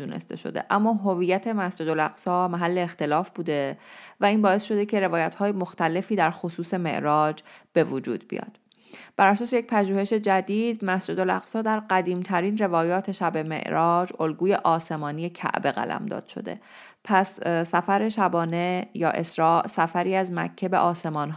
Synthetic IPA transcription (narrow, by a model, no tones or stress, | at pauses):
uːnḛst̪ʰe̞̰ʃo̰d̪e̞̰ʔæmːɒːɦovijæt̪ʰe̞mæsd͡ʒe̞d̪olæɣsɒːmæɦælːe̞ːxt̪e̞lɒːfbuːd̪e̞væiːnbɒːe̞sʃo̞d̪e̞cʰe̞ɾe̞vɒːjæt̪hɒːjemoxt̪æle̞fiːd̪æɾxosuːse̞me̞̰ʔɾɒːd͡ʒb̥e̞vod͡ʒuːd̪̥bḭjɒ̰ːd̪̥ | b̥æɾæsɒːsejec̚ʲpʰæʒuːhe̞ʃe̞d͡ʒæd̪iːd̪mæsd͡ʒed̪o̞læ̰ɣsɒːd̪æɾɢæd̪iːmt̪ʰæɾiːnre̞vɒːjɒːt̪ʰe̞ʃæbe̞me̞̰ʔɾɒːd͡ʒolɡuːje̞ʔɒːse̞mɒːnije̞cʰæ̰ʔbe̞ɣæ̰læ̰md̪ɒ̰ːd̪̥ʃo̞̰d̪ḛ | pʰæssæfæɾe̞ʃæbɒːne̞jɒ̰ːʔe̞sɾɒːʔsæfæɾiːæzmæ̰cʰːebeʔɒːse̞mɒːnɦ